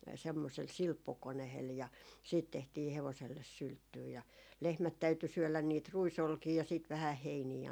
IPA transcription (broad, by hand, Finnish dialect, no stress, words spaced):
semːosel silpːukonehel jɑ siːt tehtiː heʋoselːes syltːyː jɑ lehmæt tæyty syølæn niːt ruisolkiː jɑ siːt ʋæhæh heiniː